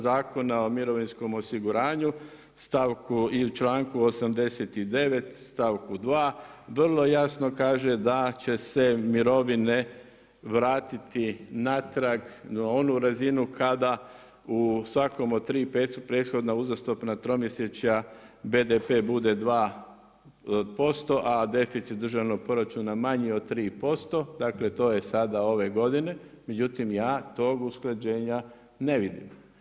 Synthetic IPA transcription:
zaːko̞nao̞miɾo̞ʋinsko̞mo̞siɡuɾaːɲu | st̪aʋkʰuiut͡ʃlˠaːŋkuosamd̪e̞set̪id̪e̞ʋe̞t̪st̪aʋkud̪ʋaːʋr̩lˠo̞jasno̞kaːʒe̞d̪at͡ɕe̞se̞miɾo̞ʋine | ʋɾaːt̪it̪inat̪ɾaɡnao̞nuɾazinukʰad̪a | usʋako̞mot̪ɾiːpeːt̪upɾe̞ːd̪̥xo̞d̪nauzast̪o̞pnat̪ɾo̞mjeset͡ɕabe̞d̪epe̞ːbud̪e̞d̪ʋaː | po̞st̪o̞ʔad̪e̞fit̪sit̪d̪r̩ʒaʋno̞ɡ̚po̞ɾat͡ʃunamaɲio̞d̪t̪ːɾiːpo̞st̪o̞d̪akle̞t̪o̞ːje̞sad̪ao̞ʋe̞ɡo̞d̪ine̞me̞d͡ʒut̪imjaːt̪o̞ɡusklˠad͡ʑe̞ːɲa | ne̞ʋid̪ḭm

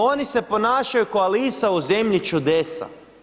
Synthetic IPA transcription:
onise̞po̞naːʃajukoalisauze̞mʎit͡ʃud̪esa̰

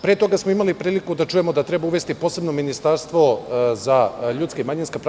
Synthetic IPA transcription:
pɾet̪o̞ɡasmoimalipɾiːlikud̪at͡ʃuje̞mo̞d̪at̪ɾe̞bauʋe̞st̪ipo̞ːse̞bno̞minist̪aɾst̪ʋo̞zaʎuːt̪kaimaɲinskapɾ

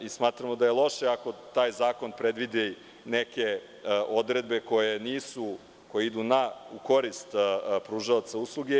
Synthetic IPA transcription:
ismaːt̪ɾamod̪ajelˠo̞ʃeako̞t̪aːjzaːko̞npɾed̪ʋid̪e | neke̞ | ʔo̞d̪ɾed̪be̞ko̞jeniːsu | kojeid̪unauko̞ɾist̪pɾuːʒaat̪sauslˠuɡe

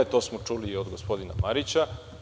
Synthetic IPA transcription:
et̪osmot͡ʂuliod̪ɡospo̞d̪ina̰maɾit͡ɕa

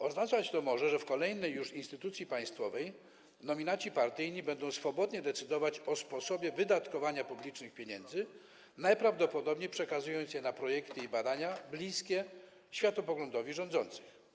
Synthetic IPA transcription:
ɔznat͡sat͡ɕt̪ɔmɔʐɛʐɛfkɔlɛjnɛjːuʂinst̪ɘt̪ut̪sʲjipaj̃st̪fɔvɛj | nɔmʲinat͡ɕipaɾt̪ɘjɲibɛnd̪ɔ̃w̃sfɔbɔd̪ɲɛd̪ɛt̪sɘd̪ɔvat͡ɕɔspɔsɔbʲjɛvɘd̪at̪kɔvaɲapublʲit͡ʂnɘxpʲjeɲɛnd̪zɘ | najpɾavd̪ɔpɔd̪ɔbɲejpʂɛkazujɔnt̪sjɛnapɾɔjɛkt̪ɘibad̪aɲablʲiskʲɛ | ɕfʲjat̪ɔpɔɡlɔnd̪ɔvʲiʐɔ̃nd̪zɔnt̪sɘ̥x

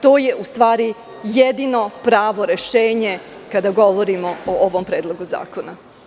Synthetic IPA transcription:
t̪o̞ːje̞ʔust̪ʋaːɾi | jed̪ino̞pɾaːʋo̞ɾe̞ʃeːɲe̞ | kad̪aɡo̞ʋo̞ɾimo̞oʔoʋompɾeːd̪lˠo̞ɡuza̰ːkona

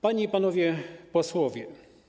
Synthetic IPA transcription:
paɲiipanɔvʲjɛpɔswɔvʲjɛ

